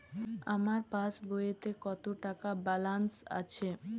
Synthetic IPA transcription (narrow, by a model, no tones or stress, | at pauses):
amaɾpaʃbojet̪ekɔt̪oʈakabalansa̰t͡ɕʰe